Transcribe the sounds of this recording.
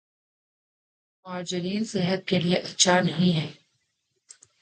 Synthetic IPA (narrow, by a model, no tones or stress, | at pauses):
mʊɦaːd͡ʒɪɾiːnsɪɦət̪̚kelieʔɐt̪ːʃʰanɐɦĩɦɛː